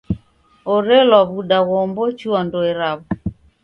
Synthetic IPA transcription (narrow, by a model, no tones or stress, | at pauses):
oɾelɔβuɗaɣombot͡ʃuɔndoeɾaβɔ